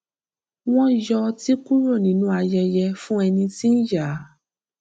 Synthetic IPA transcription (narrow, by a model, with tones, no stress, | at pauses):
w̃ɔ̃˦jɔ˧ti˦ku˦ɾo˦˨nĩ˨˦nũ˧a˧jɛ˧jɛ˧fũ˦ɛ˧nĩ˧ti˦n̩˦ja˨˦